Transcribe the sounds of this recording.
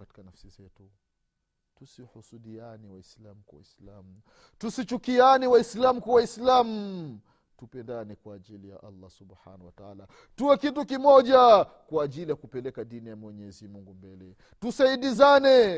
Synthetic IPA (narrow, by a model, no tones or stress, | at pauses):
ati̥kanafsizɛtu | tusihusuɗianiwaislamukwa̰wa̰islamu | tusit͡ʃukianiwaislamukawaislamu | tupɛndanɛkwaːʄilija̰ʔa̰lˤːɑsubħa̰nawataala | tuwɛkitukimɔʄa | kwaːʄilijakupɛlɛkaɗinijamwɛɲɛzimuŋɡumbɛlɛ | tusaiɗizanɛ